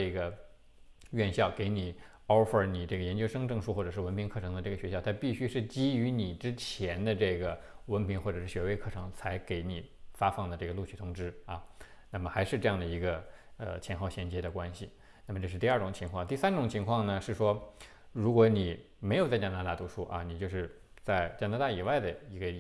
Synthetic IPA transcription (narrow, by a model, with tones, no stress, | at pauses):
ɤ˥˩ɡə˩ | ɥɛ˥˧nɕjɑ˥˩ʊke˧˥ɪni˨˩˦ | ɑ˥ʊfə˥˧˩ni˨˩ʈ͡ʂɤ˥˩ɡə˩jɛ˧˥nt͡ɕjo˥ʊʂɤ˥ŋʈ͡ʂɤ˥˧ŋʂu˥˧xwɔ˥˩ʈ͡ʂɤ˨˩ʂɻ̩˥˩wə˧˥npi˧˥ŋkʰɤ˥˧˩ʈ͡ʂʰɤ˧˥ŋd̪ə˧ʈ͡ʂɤ˥˩ɡə˩ɕɥɛ˧˥ɕjɑ˥˩ʊt̪ʰa˥pi˥˩ɕy˥ʂɻ̩˥˩t͡ɕi˥y˧˥ni˨˩ʈ͡ʂɻ̩˥t͡ɕʰjɛ˧˥nd̪ə˧ʈ͡ʂɤ˥˩ɡə˩wə˧˥npʰi˧˥ŋxwɔ˥˩ʈ͡ʂɤ˨˩ʂɻ̩˥˩ɕɥɛ˧˥we˧˥ɪkʰɤ˥˩ʈ͡ʂʰɤ˧˥ŋt͡sʰa˧˥ɪke˧˥ɪni˨˩fa˥fɑ˥˩ŋd̪ə˩ʈ͡ʂɤ˥˩ɡə˩lu˥˧t͡ɕʰy˥˩t̪ʰʊ˧˥ŋʈ͡ʂɻ̩˥ɐ˧ | na˥˩mə˩xa˧˥ɪʂɻ̩˥˧ʈ͡ʂɤ˥˧jɑ˥˩ŋd̪ə˩i˧˥ɡə˧ə̰˧t͡ɕʰjɛ˧˥nxɑ˥˩ʊɕjɛ˧˥nt͡ɕjɛ˥d̪ə˨kwa˥nɕi˨˩ | na˥˩mə˩ʈ͡ʂɤ˥˧ʂɻ̩˥˧t̪i˥˧ɐ˥˩ʈ͡ʂʊ˨˩ŋt͡ɕʰi˧˥ŋkʰwɑ˥˧ŋt̪i˥˧sa˥nʈ͡ʂʊ˨˩ŋt͡ɕʰi˧˥ŋkʰwɑ˥˩ŋnə˩ʂɻ̩˥˩ʂwɔ˥ | ɻu˧˥kwɔ˧˥ni˨˩ | me˧˥ɪjo˨˩ʊt͡sa˥˩ɪt͡ɕja˥˩na˧˥t̪a˥˩t̪u˧˥ʂu˥˩ʔɐ̰˧ni˨˩t͡ɕjo˥˧ʊʂɻ̩˥˧ | t͡sa˥˩ɪt͡ɕja˥˩na˧˥d̪a˥˩i˨˩wa˥˩ɪd̪ə˩i˧˥ɡə˧